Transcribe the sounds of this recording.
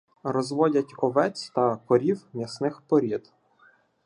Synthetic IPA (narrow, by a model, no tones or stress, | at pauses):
ɾɔzʋɔdʲɐtʲɔʋɛt͡sʲt̪ɐkɔɾʲiwmʲisnɪxpɔɾʲid̪